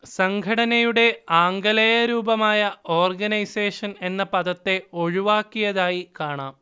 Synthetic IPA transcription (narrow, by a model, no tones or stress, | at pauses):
sɐŋɡʱɐɽɐnɐjuɽe̞aːŋɡɐlɐjɐɾuːbɐmaːjɐo̞ːrɡɐnɐjseːʂɐne̞nːɐpɐðɐt̪ːe̞o̞ɻuʋaːkːijɐðaːjikaːɳaːm